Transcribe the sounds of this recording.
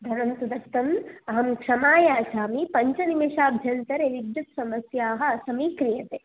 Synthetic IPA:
d̪ʱɐnɐnt̪ud̪ɐst̪ɐmɐɦɐmkʂɐmaːjaːsaːmipɐɲt͡ʃɐnimiʃaːbʱjɐnt̪ɐɾeʋid̪jɐt̪sɐmɐsjaːɦɐ̆ɐsɐmiːkɾijɐt̪eː

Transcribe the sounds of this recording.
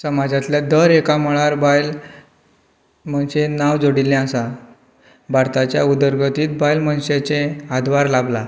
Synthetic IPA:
səmad͡zat̪ljad̪əɾekaməɭaɾbajl | mənɕenaʋd͡zoɽilɛ̃asa | baɾt̪at͡ɕjaud̪əɾɡət̪iːt̪̚bajlmənɕet͡sẽad̪ʋaɾlabla

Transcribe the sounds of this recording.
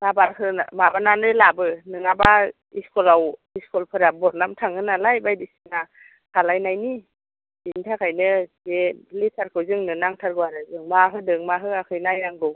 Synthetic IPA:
nabaɾɦɯnamabananɯjlabɯnɯŋaba | iskɔlawiskɔlpʰɯɾabɔt̚namtʰaŋɯnalajbajdisina | kʰalajnajni | intʰakʰajnɯzelitʰaɾkʰɯwzɯŋnɯnaŋtʰaɾɡɯwaɾɯzɯŋmaɦɯdɯŋmaɦɯakʰɯjnajnaŋɡɯw

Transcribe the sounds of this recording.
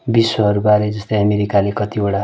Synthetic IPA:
biswʌɦʌɾubaɾed͡zʌst̪ʌjʌmeɾikalekʌt̪ioɽa

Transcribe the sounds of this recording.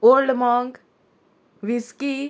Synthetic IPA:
olɖmɔŋɡ | ʋiski

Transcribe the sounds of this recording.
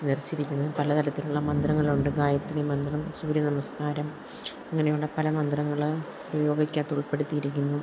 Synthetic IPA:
nirt͡ɕːiɾikʲːunːɐðɨpɐlɐt̪ʰɐlɐt̪ːiluɭːɐmɐnd̪rɐŋːɐɭuɳɖɨɡaːjɐt̪ːinemɐnd̪rɐmsuːɾjɐnɐmɐskaːɾɐm | ɐŋːɐnejuːɽepɐlɐmɐnd̪rɐŋːɐɭ | bɐjo̞ːɡikʲːaːt̪ːeuɭpeɽut̪ːijiɾikʲːunːu

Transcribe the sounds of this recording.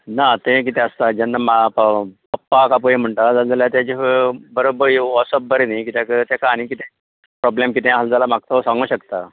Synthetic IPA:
nat̪ẽk̬it̪ẽəst̪ad͡ʑanːamapa | əpːakap̬uem̤əɳʈad͡zald͡zaljat̪jad͡ʑibəɾobəɾʋɔsəp̚bəɾinakit̪akət̪jakaːɽ̃ikit̪e | pɾɔblemkit̪ẽaɦald͡zalamak̚t̪asãŋɡuːɕəkt̪a

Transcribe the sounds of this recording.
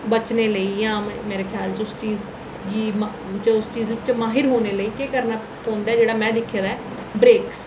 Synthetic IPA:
bət͡ʃneːləiːjãːmeːɾeːkʰjaːlt͡ʃʊst͡ʃiːz | ɡiːm | t͡ʃʊst͡ʃiːzlɪt͡ʃmaːɦɪɾɦoːneːləiːkeːkəɾnaː | pʰõːnd̪aːd͡ʒeːɽaːmɛ̃ːd̪ɪkʰːjaːd̪aɛː | bɾeːks

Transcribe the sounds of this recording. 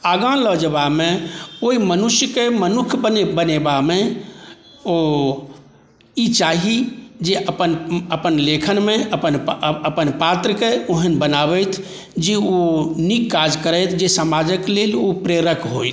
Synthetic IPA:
aɡãləd͡ʒəbamekoimənusjəkemənukʰbənbənebame | o | it͡ʃaɦid͡ʒeʔəpənəpənlekʰənmeəpənəpənpat̪ɾəkeoɦənbənabɛjt̪ʰ | d͡ʒeonikːad͡ʒkəɾəjt̪ʰd͡ʒesəmad͡ʒəklelopɾeɾəkʰɦojt̪ʰ

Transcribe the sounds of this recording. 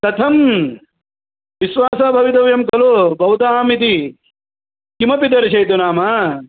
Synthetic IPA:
t̪ɐt̪ʰɐm | ʋiʃʋaːsaːbʱɐʋit̪ɐʋjɐmkɐloːbʱɐwt̪aːmit̪i | kimɐpid̪ɐɾɐʃɐjt̪unaːmɐ

